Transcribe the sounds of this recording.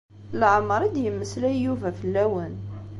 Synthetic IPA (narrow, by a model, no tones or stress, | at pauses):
lʕmːəɾˤid̪jəmːəslæːuvæfəlːæwən